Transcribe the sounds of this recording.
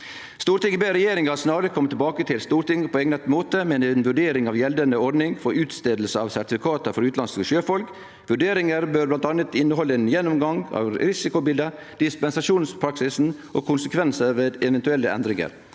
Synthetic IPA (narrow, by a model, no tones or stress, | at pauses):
st̪uːɾt̪ɪɡəbeɾɛjeːɾɪŋəɑsnɑːɾəkʰɔmːət̪ʰːɛbɑːkət̪ʰɪlst̪uːɾt̪ʰɪŋəpʰɔeːɡnət̪moːt̪əmɛnd̪ɛɛnʋʉɖeːɾɪŋɑʋjɛld̪ənd̪əɔɾɖnɪŋfɔɾʉːt̪st̪eːd̪l̩səɑʋsæɾt̪ɪfɪkʰɑːt̪əfɔɾʉːt̪lɑnskəʃøːfɔlk | ʋʉɖeːɾɪŋəɾbøːɾblɑnt̪ɑnət̪ɪnːəɦɔlːəeːnjɛnːʊmɡɑŋɑ̰ːʋɾɪsɪkʊbɪld̪ə | d̪̥ɪspɛnsɑʂuːnspʰɾɑksɪsn̩ʔoːkʰʊnsəkʰʋɛnsəɾʋeːd̪ɛʋɛnt̪ʉɛlːəɛ̰nd̪ɾɪŋə̰ɾ